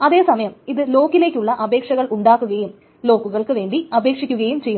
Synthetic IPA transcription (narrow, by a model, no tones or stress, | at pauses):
ɐðe̞ːsɐmɐjɐmiðɨlo̞ːkːile̞ːkʲːuɭːɐʔɐbe̞ːkʂɐɣɐɭʔuɳɖaːkːuɣɐjum | lo̞ːkːuɣɐɭkɨʋe̞ːɳɖiɐbe̞ːkʂikʲːuɣɐjumt͡ɕe̞ju